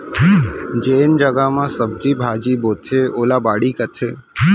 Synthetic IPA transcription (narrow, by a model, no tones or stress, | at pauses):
d͡ʒeːnd͡ʒəɡamãsəb̚d͡ʒibʱaːd͡ʒiboːt̪ʰeːoːlabaːɽikɐt̪ʰeː